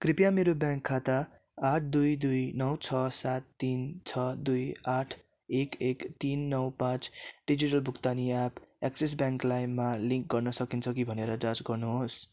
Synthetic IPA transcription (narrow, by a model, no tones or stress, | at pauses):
kripjameɾobjãŋkʰːat̪aː | ʈ̚ʰd̪ujd̪ujnʌwt͡sʰʌsat̪ːint͡sʰʌd̪ujaʈʰ | ekekt̪inːʌwpãt͡sɖid͡ziʈʌlbʱukt̪aniapakses̬bjãŋklajmaliŋk̚ɡʌrnʌsʌkint͡sʰʌk̬ibʱʌneɾʌd͡zad͡zɡʌrnuɦos